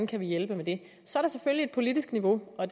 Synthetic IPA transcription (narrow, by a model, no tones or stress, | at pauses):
nkʰæʋijelb̥əmed̥e̝ | sɒ̽æɐɾɑ̈seføllie̝d̥̚pʰo̝lid̥isɡ̥niʋo̝ɒ̽d